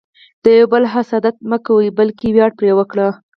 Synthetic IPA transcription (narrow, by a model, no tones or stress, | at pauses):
d̪̥əjawbəlɦasɑd̪at̪̚məkawəjbəlkewjɑɽ̚pɾewəkɽa